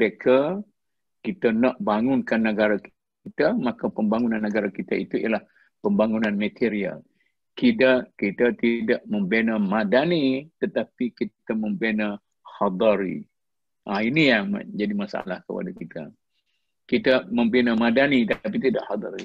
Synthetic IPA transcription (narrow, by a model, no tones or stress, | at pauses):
əɾekʰa | kit̪anaʔbaŋʊnkanːəɡaɾak | it̪amakapəmbaŋunanːəɡaɾakit̪ait̪uijalah | pəmbaŋunanmat̪ʰeɾia̰l | kidakit̪at̪idaʔməmbenəmadanit̪ət̪apikit̪aməmbenə | hɑd̪əɾḭ | ʔainijaŋma̰d͡ʒadimasa̰lahkə̰pa̰dakit̪a̰ | kit̪amə̃mbenəmadanit̪ap̬it̪idaʔhad̪ɑɾḭ